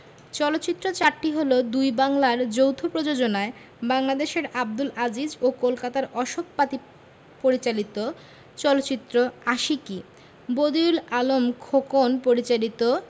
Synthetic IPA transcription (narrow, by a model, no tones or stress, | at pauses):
t͡ɕɔlot̪ːt͡ɕit̪ːɾot͡ɕaɾʈːiɦolod̪ujbaŋlaɾd͡ʑowt̪ʰopɾod͡ʑod͡ʑonae | baŋlad̪eʃeɾab̚d̪ulad͡ʑid͡ʑokolkat̪aɾɔʃokpat̪i | poɾit͡ɕalit̪o | t͡ɕɔlot̪ːɕit̪ːɾoaʃiki | bod̪iulalomkʰokonpoɾit͡ɕalit̪o